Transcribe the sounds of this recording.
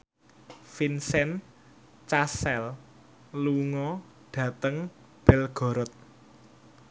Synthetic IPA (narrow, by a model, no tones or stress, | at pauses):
finsɛn | t͡ʃasɛl | luŋɔ | ɖ̥ä̤t̪əŋ | b̥ɛlɡ̥ɔ̤ɾɔt̪̚